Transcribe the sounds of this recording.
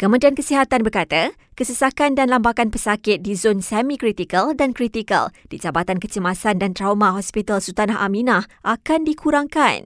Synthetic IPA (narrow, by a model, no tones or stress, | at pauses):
kəmə̃diankəsiɦat̪anbərkat̪a | kəsəsakandanlambakanpəsakɪt̪̚dizonsɛmĩkɾit̪ikəldankɾit̪ikə̰ld̥id͡ʒabat̪ankət͡ʃəmasandant̪ɾawmãɦɔspit̪alsut̪anaɦʔa̰mĩnahʔakandikʰuɾaŋkan